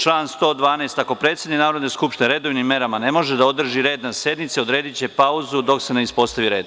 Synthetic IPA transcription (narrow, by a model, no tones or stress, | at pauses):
t͡ʃlˠaːnst̪o̞ːd̪ʋaːnest̪ako̞pɾet̪se̞d̪niknaːɾo̞d̪ne̞skupʃt̪ineɾe̞d̪o̞ʋnimːe̞ɾamane̞mo̞ʒed̪ao̞d̪r̩ʒiɾeːd̪nasje̞d̪nit̪seo̞d̪ɾe̞ːd̪it͡ɕe̞pauzud̪o̞ksene̞ispo̞st̪aʋiɾe̞ːd̪